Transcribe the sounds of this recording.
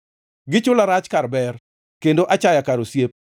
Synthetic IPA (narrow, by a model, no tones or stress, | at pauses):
ɡɪt͡ʃʊlaɾat͡ʃkarbɛr | kendoʔat͡ʃajakaɾosjep̚